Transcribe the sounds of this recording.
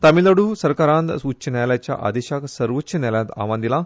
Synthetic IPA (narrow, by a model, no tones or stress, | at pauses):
t̪amiləɽuːsəɾkaɾãnt̪ut͡ɕːənalat͡ɕja̰ʔa̰d̪eɕaksəɾʋət͡ɕːənaljãnt̪a̰ʋãnd̪ila